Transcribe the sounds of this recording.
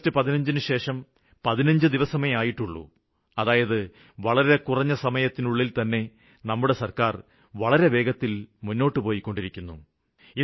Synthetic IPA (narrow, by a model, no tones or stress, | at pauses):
tːɨpɐðinɐɲd͡ʑinɨɕe̞ːʂɐm | pɐðinɐɲd͡ʑɨd̪iʋɐsɐmɐjɐmaːjiʈːuɭːṵ | ɐðaːjɐðɨ | ʋɐɭɐɾe̞kurɐɲːɐsɐmɐjɐt̪ːinuɭːilt̪ɐnːe̞ | nɐmːuɽe̞sɐrkaːr | ʋɐɭɐɾe̞ʋe̞ːɡɐt̪ːilmunːo̞ːʈːɨpo̞ːjikːo̞ɳɖiɾikʲːunːṵ | i